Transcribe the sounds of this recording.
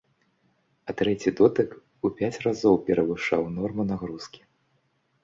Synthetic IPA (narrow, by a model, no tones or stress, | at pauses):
ɐt̪ɾɛt͡sʲid̪ɔt̪ɨk | upʲat͡sʲrazɔwpʲɛɾɐvɨʂawnɔrmunaɣɾuskʲi̥